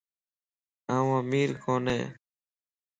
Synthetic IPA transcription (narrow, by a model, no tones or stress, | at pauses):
aːũːmiːɾkʰoːnḛː